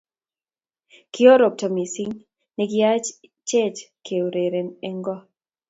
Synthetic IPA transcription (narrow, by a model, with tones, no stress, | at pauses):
kɪ˦ɔ˦ɾo˨p̚tɔ˨mi˨si˦ŋ | nɛ˨ɡɪa˦t͡ʃt͡ʃe˦t͡ʃkʰe˨wɾe˨ɾe˨nɛ˨ŋɡɔ˦